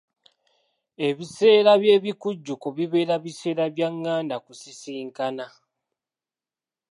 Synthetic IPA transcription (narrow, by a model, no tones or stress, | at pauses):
e̞βise̞ːɾaβje̞ːβikuɟːukoβiβe̞ːɾaβise̞ːɾaβjaŋːaːndakusisiːŋkana